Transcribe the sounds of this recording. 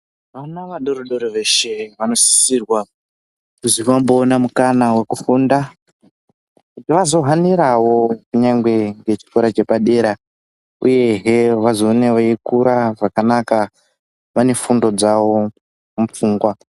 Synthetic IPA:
ʋanaʋaɗoɾoɗo̞ɾoʋe̞ʃe̞ʋano̞si̥siːrwa | kuziʋambo̞ːnamukanawe̞kufunda | kutiʋazo̞ɦaniɾawo̞kuɲaŋɡwe̞ŋɡe̞t͡ʃi̥ko̞ɾat͡ʃe̞paɗe̞ɾa | ṵje̞ɦeʋazo̞neʋaikuɾʔaʐakanaka | ʋane̞fundo̞d͡zawo̞ | mup͡fuːŋɡwa

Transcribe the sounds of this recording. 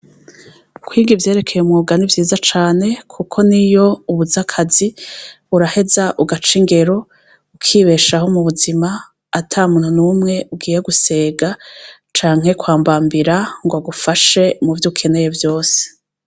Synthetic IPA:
kwiːɡivje̞ːɾe̞kʰe̞jeumŋuːɡanivjiːzat͡ʃaːne̞kʰukʰo̞nijo̞uβuzakʰazi | uɾahe̞zaʔuɡat͡ʃiŋɡe̞ɾo̞ | ukʰiːβe̞ʃaɦo̞muβuzimaː | tʰamuːnhunumŋe̞ʔuɡiːje̞ɡuse̞ːɡat͡ʃaːŋ̥he̞kwaːmbaːmbiɾaŋɡwaɡufaʃe̞muvjuːkʰe̞ne̞je̞vjo̞ːse̥

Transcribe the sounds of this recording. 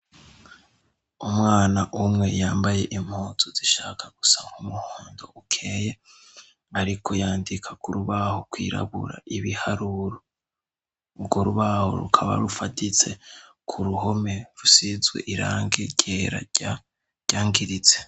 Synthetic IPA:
umŋaːnaʔumŋe̞jaːmbaje̞ʔim̥hoːtʰuziʃaːkʰaɡ̥usaβahumuhuːndo̞ukʰeːje̞ | aɾikʰo̞jaːndikʰḁkuɾuβahokwḭːɾa̰βṵɾa̰iβihaɾuɾo | ubɡoɾuβaho̞̰ɾṵkʰaβa̰ɾufatit͡se̞kʰuɾuɦo̞me̞ɾusizɡwe̞̰ʔiɾa̰ːŋɡiɟeɾa̰ | ɟ̥aːŋɡiɾit͡se

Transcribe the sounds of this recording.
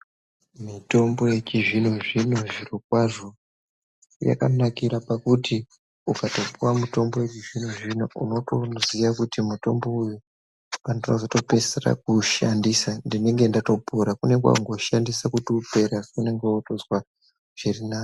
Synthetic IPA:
mito̞mbo̞je̞t͡ʃiʐin̤uʐinoʐirok̚waʐo̞ | ja̰ka̰nakiɾapakuti | ukatopuwamuto̞mbo̞je̞t͡ʃiʐin̤uʐinoṵno̞tozijakutimuto̞mbo̞uju | pandinozo̞to̞pesera̰k̚uʃandisandineŋɡe̞ndato̞puɾakune̞kwa̰ŋɡo̞ʃandisakutupe̞ɾakune̞ŋɡetozwa | ʐ̥irinaːjo

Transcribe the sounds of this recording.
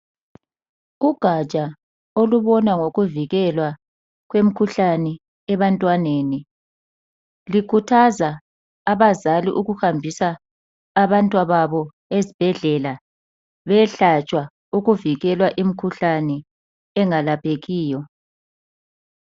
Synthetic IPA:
uɡ̥ʱat͡ʃʼa | oluβɔnaŋoɣuviɣɛlwa | ɣwem̩kʰuɬanɛ | ɛβantʼwaneːni | likʰutʰazaː | βazaliʔuɣuxambʱisaː | βantʼwaβaβɔ | ezib̥ʱɛɮɛla | βɛɬat͡ʃʼwa | uɣuviɣɛlwaʔim̩kʰuɬanɛ | ɛŋalapʰeɣiːjɔ

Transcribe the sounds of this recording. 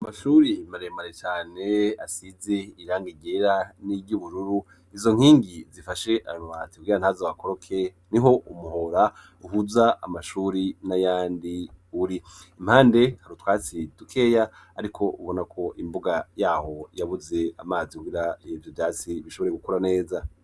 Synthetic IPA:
amaʃuɾimaɾemaɾet͡ʃaːne̞asize̞iɾaːŋɡiɟeɾaniɟuβuɾuɾu | izo̞ŋ̥hiːŋɡizifaʃe̞ʔanwati̥kuɡiɾanhazawakoɾo̞kʰe̞ | niɦo̞umuɦo̞ɾa | uɦuzaamaʃuɾinajaːndiuɾiim̥haːnde̞haɾutwaːt͡sidukʰe̞ːjaː | ɾikʰo̞ʔuβo̞nakʰo̞ʔimbuɡajaːho̞jaβuze̞amaːzikuɡiɾavjovjaːt͡siβiʃoβo̞ɾe̞ɡukuɾane̞ːza

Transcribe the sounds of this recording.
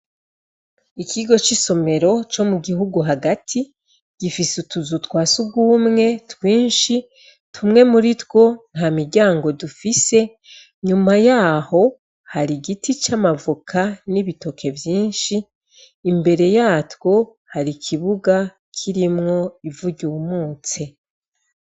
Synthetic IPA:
ikʰiɡo̞t͡ʃiso̞me̞ɾo̞t͡ʃo̞muɡiɦuɡuɦaɡatʰi | ɡ̥ifisutuzutwaːsuɡuːmŋe̞twiːnʃi | tʰumŋe̞muɾitwo̞n̥hamiɾɟaːŋɡo̞dufise̞ | ɲumajaːho̞ | haɾiɡitit͡ʃamavukʰaniβito̞kʰe̞vjiːnʃiː | mbe̞ɾe̞jaːtwo̞ | haɾikʰiβuɡa | kʰiɾimŋo̞ivuɟumuːt͡se

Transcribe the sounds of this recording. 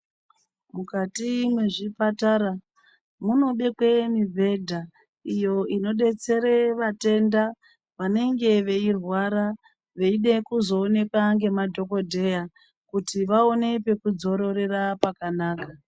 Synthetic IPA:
mukatimwe̞ʐipataɾa | muno̞ɓe̞kwe̞mibʱe̞dʱa | ijo̞ino̞ɗe̞t͡se̞ɾe̞ʋate̞nda | ʋane̞ŋɡe̞ʋe̞irwaɾa | ʋe̞iɗe̞kuzo̞ːne̞kwaŋɡe̞madʱoko̞dʱe̞ja | kutiʋao̞ne̞pe̞kud͡zo̞ɾo̞ɾe̞rapakanaːka

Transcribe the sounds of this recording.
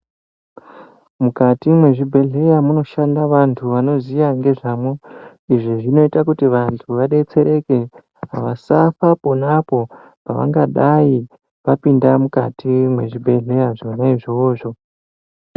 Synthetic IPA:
mukatimwe̞ʐibʱe̞ɮe̞jamuno̞ʃandaʋantʰuʋano̞zijaŋɡe̞ʐaːmwo | iʐiʐino̞itakutiʋantʰuʋaɗait͡se̞ɾe̞ke̞ | ɦaʋasafapo̞napo̞ | paʋa̰ŋɡaɗai | ʋapindamukatimweʐibʱe̞ɮe̞jaʐonaiʐoːʐo̞

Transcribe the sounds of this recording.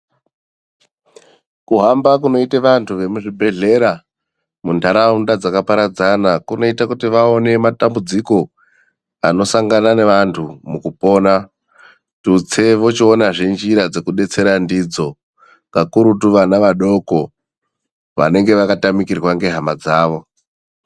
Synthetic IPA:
kuɦambak̬uno̞iteʋantʰuʋe̞muʐibʱe̞ɮe̞ɾa | mundaɾaundad͡zakapaɾad͡zanakuno̞itakutiʋao̞ne̞matambud͡ziko̞ | a̰no̞saŋɡanane̞ʋantʰumukupo̞ːna | tut͡se̞ʋo̞t͡ʃionaʐind͡ʒiɾad͡zekuɗe̞t͡se̞ɾandid͡zo̞ | kakuɾutuʋanaʋaɗo̞ko | ʋa̰ne̞ŋɡeʋakatamikirɣwaŋɡe̞ɦamad͡zaːʋo̞

